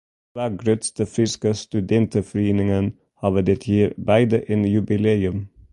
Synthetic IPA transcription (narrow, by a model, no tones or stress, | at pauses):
ʋæːɡɾøt̪st̪əfɾɪskəst̪ʉd̪ɛnt̪əfɔɾeːnɪŋən | hɑːʋəd̪ɛt̪ʰjiːɾbæɪd̪əʔenjʉbɪleːʉm